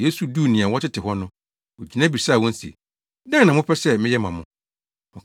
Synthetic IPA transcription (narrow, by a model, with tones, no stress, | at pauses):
je˦su˨du˦˨nĩ˨ã˨wɔ˦tʰɪ˦tʰɪ˨ɦɔ˦nʊ̃˦ | o˨d͡ʑi˨nã˦bi˨sa˦˨wɔ̃˦n̩˦si˨ḛ˨ | dã˦nã˨mʊ̃˦pʰɛ˦sɛ˦mɪ̃˦jɛ˦mã˨mʊ̃˦ | ɔ̃˨